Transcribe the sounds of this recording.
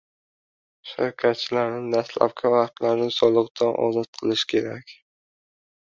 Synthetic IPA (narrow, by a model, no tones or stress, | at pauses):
ʃaɾkʲʰat̪̚t͡ʃʰɪlaɾnɪd̪asla̰p̚kʰʲavaqt̪laɾnɪsɒlˠɨqd̪anʔɒ̰zɒt̪̚qʰɨlˠɪʃkʲʰe̞ɾakʲ